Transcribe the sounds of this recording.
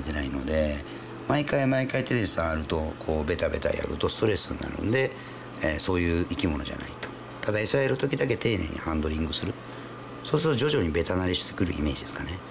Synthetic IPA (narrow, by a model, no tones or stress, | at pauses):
t̪enaino̞d̪e̞ | maikaimaikait̪enesaːɾɯ̟t̪o̞kʰo̞ːbe̞t̪abe̞̰t̪a̰ja̰ɾɯ̟̰t̪o̞sɨ̥t̪o̞ɾe̞sɨnːa̰ɾɯ̰nd̪e̞ | eso̞ːjɯ̟ːikʲimo̞no̞ʑa̰na̰it̪o̥ | t̪ad̪aesaeɾɯ̟t̪o̞kʲid̪ak̬e̞t̪e̞ːnḛ̃ɲ̟ḭhãnd̪o̞ɾʲĩŋɡɯ̟sɨɾɯ̟ | so̞ːsɨɾt̪o̞ʑd͡ʑo̞ʑo̞ɲ̟ibe̞t̪anaɾʲiɕi̥t̪e̥kɯ̟ɾɯ̟̰ḭme̞ːʑid̪e̞sɨ̥kane